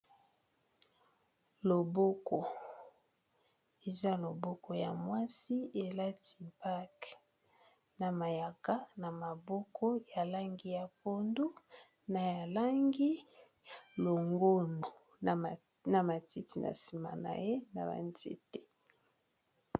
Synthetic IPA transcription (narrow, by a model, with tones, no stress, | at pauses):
lo˨bɔ˦kɔ˨ | e˨za˦lo˨bɔ˦kɔ˨ja˨mwa˦si˦e˨la˦ti̥˨pa˦k | na˨ma˨ja˨ka˦na˨ma˨bɔ˦kʰɔ˦ja˨la˦ŋɡi˦ja˨po˦ndu˦ | na˨ja˨la˦ŋɡi˦ | lo˨ŋɡo˦no˨ | na˨ma˨ti˦ti˨na̰˨si˨ma̰˨na̰˨je˦na̰˨ba̰˨nzḛ˦tɛ˨